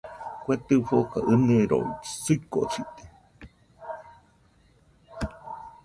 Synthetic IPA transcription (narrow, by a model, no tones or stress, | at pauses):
kʷet̪ɨfokaʔɨnɨeɾo̰isɨkot͡sit̪e̥